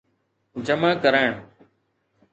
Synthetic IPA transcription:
d͡ʒəmaːkəɾaːɳ

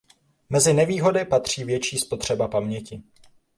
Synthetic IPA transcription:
mɛzɪnɛviːɦo̞dɪpat̪r̝̥iːvjɛt͡ʃiːspo̞t̪r̝̥ɛbapamɲɛcɪ

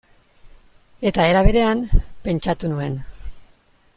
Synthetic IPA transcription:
e̞t̪ae̞ɾaβ̞e̞ɾe̞ampe̞nt͡ʃat̪unue̞n

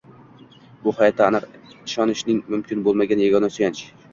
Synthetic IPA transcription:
bʊhɒjɒt̪ʰːaːnɨqɪʃɒnɪʃnɪŋmʊmkʲʰɪnbolˠmaɡʲanjaɡɒnasʊjant͡ʃ

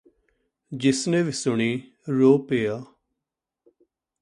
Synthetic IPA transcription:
d͡ʒɪsnẽːʋisʊɳ̃iː | ɾoːpeːaː

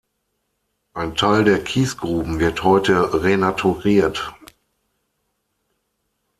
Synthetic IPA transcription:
ʔaɪntʰaɪldeːɐkʰiːsɡ̥ʁuːbm̩vɪɐthɔʏtəʁenatʰuʁiːɐt

